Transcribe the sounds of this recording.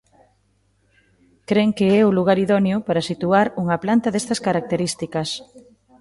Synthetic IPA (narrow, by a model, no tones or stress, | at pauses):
kɾeŋkeɛuluɣ̞aɾiðɔnjʊpaɾɐsit̪uaɾuŋɐplant̪ɐðest̪ɐskaɾak̚t̪eɾist̪ikɐs